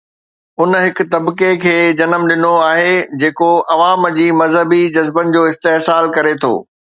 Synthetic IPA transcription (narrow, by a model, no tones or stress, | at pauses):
ʊnɦɪkʊ̆t̪ɐbkekʰeːd͡ʑɐnəmɗɪnoaːɦed͡ʑeːkoʔɐʋaːmd͡ʑiːmɐzɦəbid͡ʑɐzbənɪ̆d͡ʑoːɪst̪eɦsaːlkɐɾet̪ʰo̰ː